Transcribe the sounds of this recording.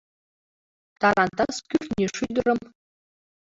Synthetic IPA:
t̪ɑɾɑnt̪ɑskʲyrʲnʲeʂyd̪̆ɾɤ̆m

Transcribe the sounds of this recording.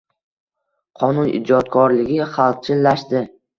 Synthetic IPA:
qʰɒnʊnʔɪ̰d͡ʒɒt̪kʰɒɾlɪɡʲɪχalˠq̚t͡ʃʰɪlːaʃd̪ɪ

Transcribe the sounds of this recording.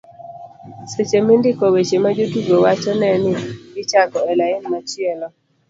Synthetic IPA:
set͡ʃemɪndɪkɔwet͡ʃemad͡ʒotiɡowat͡ʃɔnɛnɪɡɪt͡ʃakɔɛlaɪnmat͡ʃɪelɔ

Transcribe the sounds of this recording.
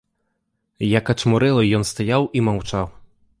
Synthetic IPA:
jakɐt͡ʂmuɾɛlˠɐjɔnst̪ajawʔimawt͡ʂaw

